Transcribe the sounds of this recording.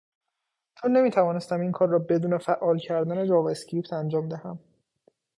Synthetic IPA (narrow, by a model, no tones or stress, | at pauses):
t̪ʰone̞miːt̪ʰævɒːnest̪æmiːnkʰɒːrːɒːbe̞d̪uːnefæʔːɒːlcʰæɾd̪æned͡ʒɒːvescɾipt̪ʰænd͡ʒɒːmd̪ehæm